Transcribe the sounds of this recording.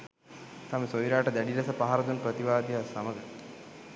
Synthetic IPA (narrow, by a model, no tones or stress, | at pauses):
t̪aməsoiɾaːʈəd̪æɖiɾɐsəpaɦaɾɐd̪unpɾət̪iʋaːd̪iɦasaməɡə